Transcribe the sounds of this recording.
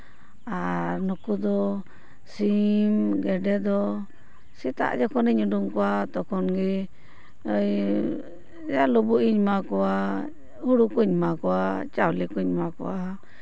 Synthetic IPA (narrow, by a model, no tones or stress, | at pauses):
aɾnukud̪ɔ | simɡɛɖɛd̪ɔ | sit̪a̰ʔd͡ʒɔkɔniɲuɖuŋkɔwat̪ɔkɔnɡi | j | d͡ʒalubuiɲmakɔwa | huɽukuɲmakɔwat͡ʃawlikuɲmakɔ̰wa